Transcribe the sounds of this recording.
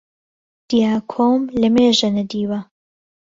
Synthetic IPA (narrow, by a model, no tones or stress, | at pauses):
d̪̥ijaːkʰoːmlɐmeːʒɐnɐd̪iːwɐ